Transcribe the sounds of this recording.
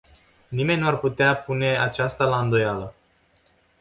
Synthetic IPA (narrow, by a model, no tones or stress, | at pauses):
nime̞nʲnuarput̪eapune̞at͡ʃast̪alaɨnd̪o̞jalə